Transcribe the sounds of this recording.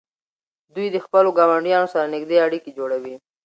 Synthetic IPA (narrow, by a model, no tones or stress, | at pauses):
d̪ujd̪əxpəloɡɑwaɳɖjɑnosaɾanɪkd̪eaɽiked͡ʒoɽawi